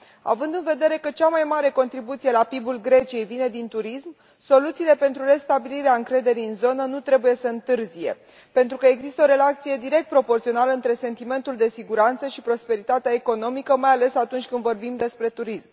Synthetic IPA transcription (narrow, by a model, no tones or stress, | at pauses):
a̰vɨnd̪ɨnve̞d̪e̞ɾe̞kət͡ʃamajmaɾe̞ko̞nt̪ɾibut̪sije̞lapibulɡɾe̞t͡ʃije̞jvine̞d̪int̪uɾism | so̞lut̪siːle̞pe̞nt̪ɾuɾe̞st̪abiliɾeaɨŋkɾe̞d̪e̞ɾiɨnzo̞nənut̪ɾe̞buje̞səɨnt̪ɨrzije̞̰ | pe̞nt̪ɾukəe̞ɡzist̪əo̞ɾe̞lat̪sije̞d̪iɾe̞k̚t̪̚pɾo̞po̞rt̪sio̞naləɨnt̪ɾe̞se̞nt̪ime̞nt̪uld̪e̞siɡuɾant̪səʃipɾo̞spe̞ɾit̪at̪eaeko̞no̞mikəmajale̞sat̪unt͡ʃʲkɨnd̪vo̞rbimd̪e̞spɾe̞t̪uɾism